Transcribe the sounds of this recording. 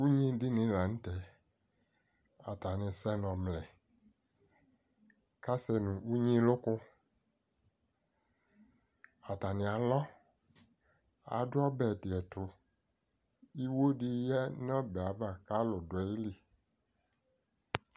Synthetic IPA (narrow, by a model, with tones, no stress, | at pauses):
wu˦ɲĩ˦dɪ˦nɪ̃˨la˨ŋ̩̃˦tɛ˨ | a̰˨ta˨nɪ̃˨sɛ˦nɔ̃˨mlɛ˨ | ka˦sɛ˨nũ˨u˦ɲĩ˦lʊ˦kʊ˦ | a˨ta˨nɪ̃˨a˨lɔ˦ | a̰˨dɔ˦bɛ˨dɪ˨ɛ˨tʊ˨ | i˦wo˦ɖɪ˦jɛ˦n˦ɔ̃˦bɛ˨a˨ba˨ka˦lʊ˨dʊ˨ɛ˨˦i˦li˨